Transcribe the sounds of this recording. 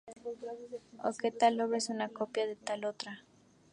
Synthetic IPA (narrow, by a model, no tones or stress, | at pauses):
o̰ket̪aloβɾesunakopjaðet̪alot̪ɾa